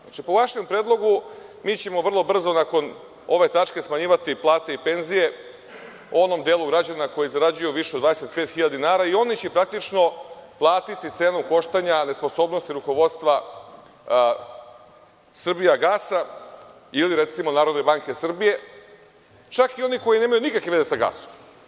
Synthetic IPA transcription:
at͡ʃipoʋaʃe̞mpɾe̞ːd̪lˠo̞ɡumiːt͡ɕe̞mo̞ʋr̩lˠo̞br̩zo̞nako̞n | o̞ʋe̞t̪at͡ʂke̞smaɲiːʋat̪iplˠaːt̪e̞ipe̞nzije̞ | o̞no̞md̪eːlˠuɡɾad͡ʑanako̞jizaɾad͡ʑujuʋiʃed̪vad̪eset̪̚pet̪xiʎad̪inaːɾaio̞nit͡ɕepɾak̚t̪it͡ʃno̞plˠaːt̪it̪it̪seːnomko̞ʃt̪aɲane̞sposo̞ːbnost̪iɾuko̞ʋo̞d̪st̪ʋa | sr̩bijaɡaːsa | iliɾet̪simo̞naːɾod̪ne̞baŋkesr̩bije̞ | t͡ʃakio̞niko̞jine̞majunikakʋeʋezesaɡa̰ːso̥m

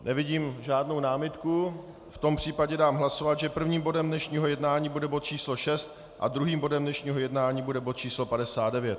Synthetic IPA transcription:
nɛvɪɟiːmʒaːdno̞wnaːmɪt̪ku | ft̪o̞mpr̝̥iːpaɟɛdaːmɦlaso̞vat̪ʒɛpr̩vɲiːmbo̞dɛmdnɛʃɲiːɦo̞jɛdnaːɲiːbudɛbo̞t̪̚t͡ʃiːslo̞ʃɛst̪ | ʔa̰d̪ɾuɦiːmbo̞dɛmdnɛʃɲiːɦo̞jɛdnaːɲiːbudɛbot̪̚t͡ʃiːslo̞padɛsaːd̪dɛvjɛt̪̚

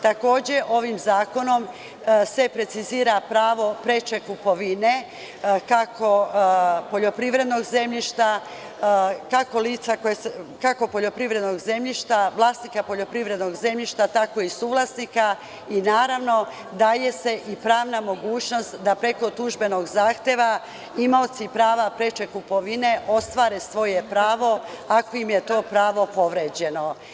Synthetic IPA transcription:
t̪ako̞ːd͡ʑe̞ʔo̞ʋimzaːko̞no̞m | se̞pɾe̞t̪siziːɾapɾaːʋo̞pɾe̞t͡ʃe̞kupoʋine | kakʰo̞ | po̞ʎo̞pɾiʋɾe̞d̪no̞ɡze̞mʎiʃt̪a | kako̞liːt̪sakojeskako̞po̞ʎo̞pɾiʋɾe̞d̪no̞ɡze̞mʎiʃt̪aʋlˠaːsnikapo̞ʎo̞pɾiʋɾe̞d̪no̞ɡze̞mʎiʃt̪at̪ako̞isuːʋlasnika | inaːɾaʋno̞ | d̪aje̞se̞ʔipɾaːʋnamo̞ɡuːt͡ɕno̞st̪d̪apɾe̞ko̞t̪uʒbe̞no̞ɡzaːxt̪e̞ʋa | imaot̪sipɾaːʋapɾe̞t͡ʃe̞kupo̞ʋine̞ʔo̞st̪ʋaːɾesʋo̞je̞pɾaːʋo̞ako̞imjet̪o̞ːpɾaːʋo̞po̞ʋɾeːd͡ʑe̞no̞

